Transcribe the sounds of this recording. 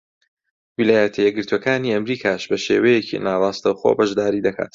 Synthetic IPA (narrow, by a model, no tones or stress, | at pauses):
wilaːjɐt̪ʰɐjɛɡɨɾt̪wokaːniːɐmɾiːkʰaːʃbɐʃḛːwɐjecʰḭnaːrˤɑːst̪ɐwxo̰bɐʒd̪aːɾiːd̪ɐkʰa̰ːt̪